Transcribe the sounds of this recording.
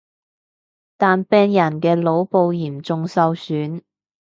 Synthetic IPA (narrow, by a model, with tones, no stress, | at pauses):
t̪aː˨npɛː˧ŋjɐ˨˩nkɛː˧lo˨˥wpo˨˧wjiː˨˩mt͡sʊ˨ŋsɐ˨˧wsyː˨˥n